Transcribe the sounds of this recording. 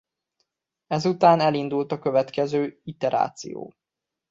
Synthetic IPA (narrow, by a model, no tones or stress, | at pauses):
ɛzut̪aːnɛlind̪ult̪ɒkøvɛt̪kɛzøːit̪ɛɾʔa̰ːt̪sḭjo̰ː